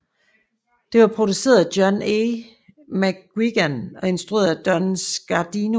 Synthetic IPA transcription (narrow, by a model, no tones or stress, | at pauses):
d̥e̝ʋɑ̈pʰʁo̝d̥use̝̰ːɐðˠæd̥jɒ̽ne | mæɡ̥wiɡ̥ænɒ̽e̝nsd̥ʁue̝̰ːɐðˠæd̥ɒnsɡ̥ɑd̥inu